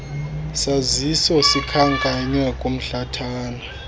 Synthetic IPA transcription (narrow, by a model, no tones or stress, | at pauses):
sazisɔsikʰaŋkʼaɲɛkʼom̩ɬatʰaːnɔ